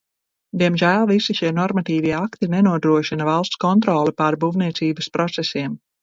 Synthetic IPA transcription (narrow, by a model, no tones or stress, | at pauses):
d̪iɛmʒæːlˠvisiʃiɛnɔɾmat̪iːviɛakt̪inɛnuɔd̪ɾuɔʃinɐvalˠst̪skɔnt̪̬ɾɔːlˠɛpaɾbuvniɛsiːbəspɾɔt̪sɛsiɛm